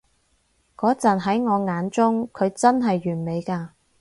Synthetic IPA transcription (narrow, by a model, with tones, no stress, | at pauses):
kɔː˨˥t͡sɐ˨˩nɦɐ˨˥jŋɔː˨˧ŋaː˨˥nt͡sʊ˥ŋkʰɵ˨˧ɥt͡sɐ˥nɦɐ˨jːyː˨˩nme˨˧jkaː˧